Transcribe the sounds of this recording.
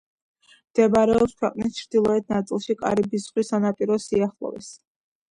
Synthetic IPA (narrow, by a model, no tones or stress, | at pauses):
md̪̥ɛbɾɛɔpskʰwɛqʼnist͡ʃʰɾd̪̥ilˠɔɛt̪̚ʰnat̪sʼilˠʃikʼa̰ɾibisʁwisanapʼiɾɔsiaχlˠɔ̰vɛ̰s